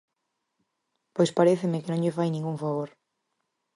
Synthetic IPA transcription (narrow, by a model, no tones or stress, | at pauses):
pojspaɾeθemɪkenõŋʎɪfajnĩŋɡuŋfaβoɾ